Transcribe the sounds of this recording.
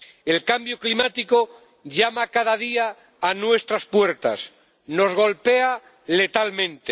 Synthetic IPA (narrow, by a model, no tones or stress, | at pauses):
e̞lkambjoklimat̪iko | ʎamakaðaðiaː | nwe̞st̪ɾaspwe̞ɾt̪a̰s | no̞zɣ̞o̞lpe̞a | le̞t̪almẽ̞nt̪e